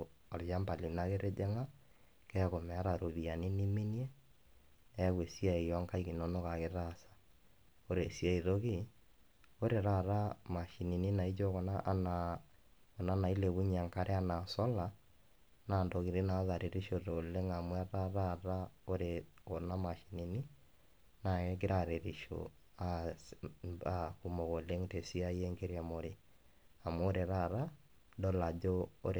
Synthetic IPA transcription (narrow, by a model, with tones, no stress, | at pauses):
ɔ˨ɾja˦mba˨li˨na˦ɣe˦ɾe˦d͡ʒe˦ŋa˦ | kɛ˦ɣo˨mɛ˨a˦ɾa˨ɾo˨βi˨a˨ni˦ni˦me˦ni˦e˦ | ɣwe˨si˦a˦e˨jɔ˦ŋka˦i˦ɣi˨no˨no˦ɣa˨ɣe˨ɾa˦sḁ˨ | o˦ɾe˨si˦a˦i˨ðo˦ɣi˦ | o˦ɾe˨ɾa˦˨ɾa˦ma˨ʃi˨ni˨ni˦na˨i˦d͡ʒo˦ɣo˨na˦ʔna | o˨na˦na˨i˦le˨βu˦ɲa˨ŋka˦ɾe˦a˦na˨sɔ˦la˨ | na˨ndo˨ɣi˨ɾe˦na˨˦ða˨ɾe˨ɾi˦ʃo˨ɾo˨le˦ŋa˨mwa˦ɾa˦ɾa˦ɾa˦o˦ɾeɣo˨na˦ma˨ʃi˨ni˨ni˦ | na˨ɛ˦ke˦ɾa˦ɾe˨ɾi˨ʃo̰˨ | a | a˨ku˨mo˨ɣo˨le˦ŋte˨si˦a˦je˦ŋɡe˦ɾia˨mo˨ɾe˨ | a˨mwɛ˦o˦ɾe˨ɾa˦ɾa˦ | dɔ˦la˨d͡ʒoː˦ɾe